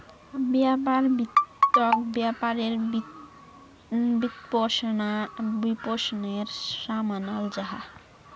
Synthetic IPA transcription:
bjapaɾbit̪ːɔkbjapaɾeɾ | bit̪pɔsnabiposneɾsamanald͡ʒaɦa̰

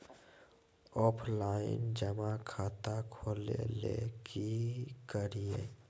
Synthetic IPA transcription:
ɔːpʰlaːɪ̰nd͡ʒəmakʰaːt̪akʰoːlelḛkikəɾie

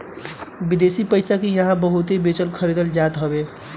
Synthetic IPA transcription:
bid̪esipəɪsakijəɦãbəɦut̪ebet͡ʃəlkʰəɾid̪əld͡ʒat̪ɦəbe

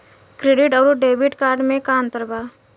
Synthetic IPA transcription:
kɾeɖɪʈɔːɾoɖeːbɪʈkaːɾɖmẽkaːnt̪əɾbaː

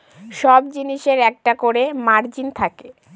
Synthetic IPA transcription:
ʃɔbd͡ʑiniʃeɾɛk̚ʈakoɾemaɾd͡ʑint̪ʰake

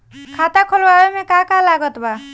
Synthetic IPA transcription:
kʰat̪akʰɔlwawemẽkakalaɡɔt̪ba

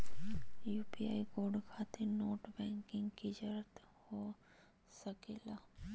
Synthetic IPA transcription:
juːpiaːikoːɖkʰaːt̪enoːʈbɛ̃ːŋkɪ̃ŋɡkid͡ʒəɾt̪ | ho | sɐkeːlaː

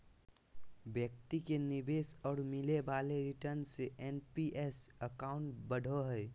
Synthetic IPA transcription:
bjəkt̪ikenɪbeːsɔːɾmɪlebaːleɾɪʈəɾnseʔenpiʔesəkaːʊ̃ɳʈbəɽ̤ʱoɦəj

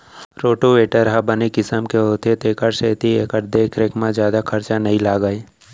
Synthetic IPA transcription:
ɾoːʈoʋeːʈəɾɦabənekɪsəmkeɦoːt̪et̪eːkəɾʃeːt̪ieːkəɾd̪eːkʰɾeːkmãd͡ʒjaːd̪akʰɐɾt͡ʃanəɦĩlaːɡəe

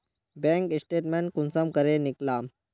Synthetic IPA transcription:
bẽŋkisʈeːʈmẽn̚kunsəmkəɾeniklaːm

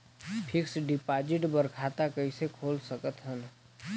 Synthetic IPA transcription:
pʰɪksɖɪpaːd͡ʒɪʈbəɾkʰaːt̪akəisekʰoːlsəkət̪ɦən

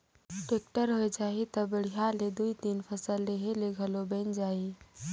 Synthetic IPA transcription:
ʈeːk̚ʈəɾɦoed͡ʒaːit̪ɐbəɽ̤iɦaled̪uit̪iːnpʰəsəlːeɦeleɡʱɐlobɛ̃nd͡ʒaːi

